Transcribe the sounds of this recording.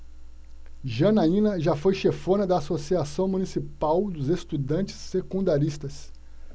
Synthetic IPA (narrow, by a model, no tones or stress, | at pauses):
ʒɐ̃nɐĩnɐʒafojʃefõnɐd̪ɐːsosiasɐ̃w̃munisipawd̪ʊzest̪ud̪ɐ̃nt͡ʃɪ̥sːekũnd̪aɾist̪ɐs